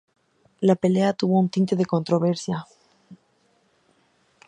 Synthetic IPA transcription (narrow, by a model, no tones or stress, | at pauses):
lape̞le̞at̪uβo̞unt̪int̪e̞ðe̞ko̞nt̪ɾo̞β̞e̞ɾsja